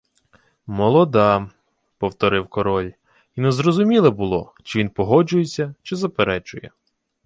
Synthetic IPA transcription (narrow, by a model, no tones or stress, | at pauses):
mɔlˠɔd̪ɑ | pɔwt̪ɔɾɪwkɔɾɔlʲ | inɛzrɔzʊmʲilˠɐbʊlˠɔ̰ | t͡ʃɪʋʲinpɔɦɔd͡ʒʊjesʲːɐt͡ʃɪzɐpeɾɛt͡ʃʊjɛ̰